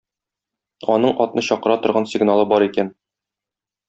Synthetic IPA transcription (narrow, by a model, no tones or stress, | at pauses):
ɒnɤɴɒt̪nɤɕɒqɤ̆ɾɑt̪ŏɾʁɑnsʲɪɡnalˠɤbɒɾikæn